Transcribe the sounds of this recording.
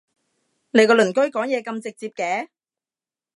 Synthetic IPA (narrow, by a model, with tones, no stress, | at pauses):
ne˨˧jkɔː˧lɵ˨˩nkɵ˥ɥkɔː˨˥ŋjɛː˨˧kɐ˧mt͡sɪ˨k̚t͡siː˧p̚kɛː˨˦